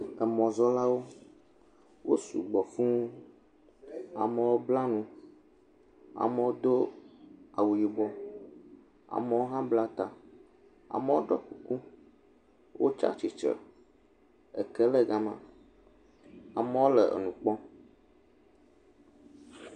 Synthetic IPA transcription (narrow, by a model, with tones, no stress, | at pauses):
ə˨mɔ̃˨zɔ˦la˦wo˦ | wo̰˦sṵ˨ɡ͡bɔ˨fũ˦u˦ | a̰˨mə˨wo˦bla˦nũ˦ | a̰˨mə˨wo˦d̪o˦ | a̰˨wu˨ji˨bɔ˦ | a̰˨mə˨wo˦ɦã˦bla˦t̪a˨ | a̰˨mə˦wo˦ɖɔ˦ku˨ku˦ | wʔo̰˦t͡ʃa̰˦t͡ʃi˨t͡ʃə̰˨ | ɛ̰˨kɛ˦lɛ˦ɡa˦mã̰˦ | a˨mə˦wo˦lɛ˨ɛ̰˨nũ˨k͡pɔ̃˦